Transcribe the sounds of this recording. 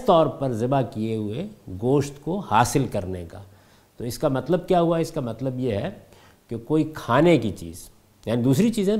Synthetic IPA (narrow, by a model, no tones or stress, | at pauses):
t̪ɔːɾpɐɾzɪbakijeɦʊeɡoːʃt̪kohaːsɪlkɐɾneka̰ː | t̪oːɪskamɐt̪ləb̚kjaːɦuaɛɪskamɐt̪ləbjeɦɛ | kekoːikʰaːnekit͡ʃḭːz̥ | jaːnid̪uːsɾit͡ʃiːzẽɛ